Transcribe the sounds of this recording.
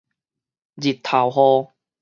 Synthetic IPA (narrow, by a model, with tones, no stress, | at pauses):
d͡ʑi˨˩tt̪ʰːa˨˩wɦɔ˧